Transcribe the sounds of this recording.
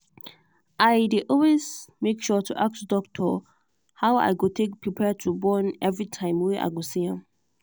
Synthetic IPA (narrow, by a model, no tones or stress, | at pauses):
ʔajdiʔɔlwezmekʃɔtʰuʔak̚tdɔk̚tʰɔ | haʊa̰ɪɡotʰek̚pʰɹipʰɛtʰubɔ̃nɛvɹitʰãɪ̃mwiʔa̰ɡosiãm